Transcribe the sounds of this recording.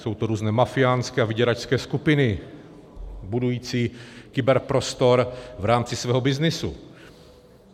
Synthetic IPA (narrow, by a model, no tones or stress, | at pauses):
so̞wt̪oɾuːznɛːmafɪjaːnskɛːavɪɟɛɾat͡ʃskɛːskupɪnɪ | budujiːt͡siːkɪbɛɾpɾost̪o̞ɾvɾaːmt͡sɪsvɛːɦobɪznɪsṵ